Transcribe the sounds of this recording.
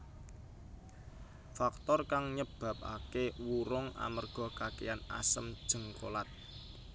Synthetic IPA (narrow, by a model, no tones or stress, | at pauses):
fak̚t̪ɔrkaŋɲəb̥ä̤p̚a̰kewuɾʊŋa̰mərɡ̥ɔ̤kakeana̰səmd̥ʒ̥ə̤ŋkolat̪̚